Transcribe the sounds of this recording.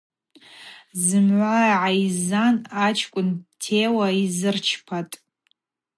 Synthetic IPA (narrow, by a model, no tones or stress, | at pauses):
zɨmʕʷaʕaizanat͡ʃʰkʷʼʊntʰewaizɨrt͡ʃʰpʰatʼ